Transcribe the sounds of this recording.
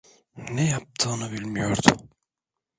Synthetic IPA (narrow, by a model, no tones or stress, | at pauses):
nɛjap̚t̪ʰɯːnɯbilʲmijoɾd̪ʊ